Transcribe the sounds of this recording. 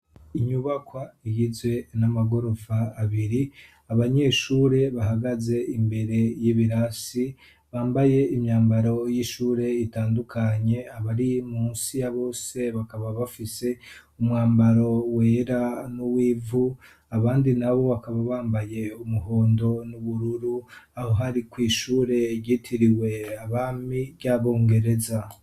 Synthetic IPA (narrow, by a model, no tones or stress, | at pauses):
iɲuβakwaiɡizwe̞namaɡo̞ɾo̞vaːβiɾi | aβaɲe̞ʃuːɾe̞βahaɡaze̞imbe̞ɾe̞jiβiɾasi | βaːmbaje̞imɲaːmbaɾo̞jiʃuːɾe̞itaːndukʰaɲe̞aβaɾimuːnsijaβo̞ːse̞βakaβaβafise̞ | umŋaːmbaɾo̞we̞ɾanuwiːvu | aβaːndinaβo̞βakaβaβaːmbaje̞umuɦo̞ːndo̞nuβuɾuɾuaho̞ɦaɾikwiːʃuːɾe̞ɟitʰiɾiwe̞aβaːmiβɟaβo̞ːŋɡe̞ɾe̞za